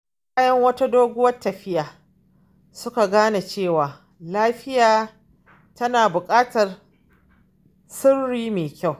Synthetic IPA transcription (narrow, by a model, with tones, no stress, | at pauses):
kaː˦jɐ˦ŋwɐ˦ta˦doː˦ɡʷʊ˦wɐ˦tːɐ˨ɸɪ˦jaː˨ | sʊ˦ka˨ɡaː˦na˨t͡ʃeː˦˨waː˨ | laː˦ɸɪ˦jaː˨ | tʰɐ˦naː˨bʊ˨kʼaː˦tɐ˨r | sʊ˦rːiː˦meː˨kʲa˦˨w